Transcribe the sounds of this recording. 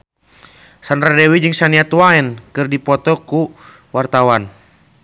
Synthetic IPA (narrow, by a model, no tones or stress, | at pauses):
sanɾadɛwid͡ʒɨŋsaniat̪waɛnkɨrdipɔt̪ɔku | wart̪awan